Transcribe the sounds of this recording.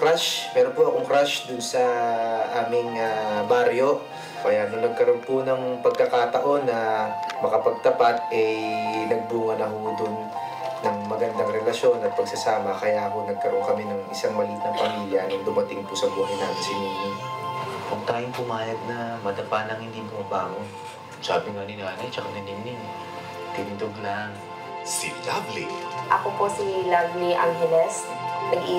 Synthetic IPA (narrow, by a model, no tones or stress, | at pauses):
kɾaʃmɛːɾonpʊʔɐkoŋkɾaʃd̪ʊnsɐʔaːmɪŋɐbaɾjo̞ | kɐjaʔnonɐɡ̚kɐɾo̞npʊnɐŋpɐɡ̚kɐkat̪ɐʔo̞nːɐmɐkɐpɐɡ̚t̪ɐpat̪̚ɛnɐɡ̚buːhɐnɐɦod̪ʊnː | ɐŋmɐɡɐnd̪aŋɾɛlɐʃo̞nɐt̪̚pɐɡ̚sɐsaːmɐkɐjakonɐɡ̚kɐɾo̞nkɐmɛnɐŋʔɪsaŋmɐliːt̪nɐŋpɐmiːljɐ̰nɐŋd̪ʊmɐt̪ɪŋpʊsɐɡuːɦɐjnaːt̪ɪnsɪnim | kʊŋt̪aːjʊŋpʊmaːjɐd̪̚nɐmɐd̪ɐpanɐŋhɪnd̪imʊmɐbaːmo | sa̰ːbɪŋɐnɪnanɪt͡ʃɐkanɐnɪnɪ | t̪ɪnd̪oɡ̚lɐŋ | sḭlabliʔɐ̰koposilabliʔaŋɦɛlɛs | nɐɡʔiː